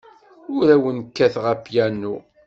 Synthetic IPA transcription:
ʊɾæwənkːæθʁæpjænːu

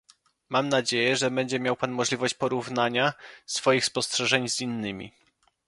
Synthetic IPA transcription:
mamnad͡ʑejɛʐɛbɛɲd͡ʑɛmʲjawpanmɔʐlʲivɔɕt͡ɕpɔɾuvnaɲasfɔjixspɔstʂɛʐɛɲzinːɘmʲḭ

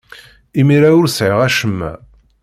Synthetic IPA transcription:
imiɾaʊɾsʕəʁæʃəmːæ̰

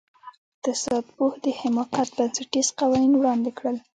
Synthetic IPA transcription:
ɪt̪ɪsɑd̪̚puhd̪əhɪmɑqat̪̚bansaʈizqawɑninwɽɑnd̪ɪkɽəl

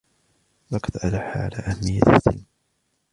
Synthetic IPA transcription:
lɑqɑ̥t̪ʔalaħa̰ʕa̰laːʔahamːɪjːa̰t̪ɪsːɪ̰lm

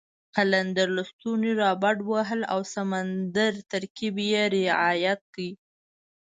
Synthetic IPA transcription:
kaland̪aɾləst̪uniɾɑbaɖwaɦəla̰wsamand̪aɾt̪aɾkibjeɾɪʕɑjat̪̚kəi

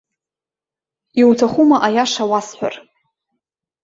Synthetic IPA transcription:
iwtʰaχumaʔajaʂawasħʷᶣa̰r

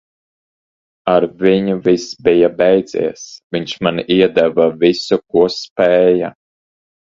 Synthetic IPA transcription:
aɾviɲuvisbijabɛjd̪zḭɛsviɲʲt͡ʃmanʔiɛd̪ɛvavisuk̚uɔspɛːja

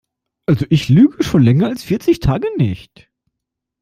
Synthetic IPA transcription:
ʔalzoʔɪçlyːɡəʃoːnlɛŋɐalsfɪɐt͡sɪçtʰaːɡənɪ̰çt

